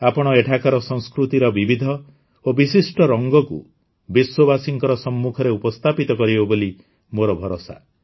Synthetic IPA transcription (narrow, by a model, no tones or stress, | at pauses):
apɔɽ̃ɔeʈʰakaɾɔsɔ̃ŋ̃skɾut̪iɾɔbibid̪ʱɔ | obisisʈɔɾɔŋɡɔkṵ | biswɔbasiŋkɔɾɔsɔmːukʰɔɾeupɔst̪ʰapit̪ɔkɔɾibɔboli | moɾɔbʱɔɾosa̰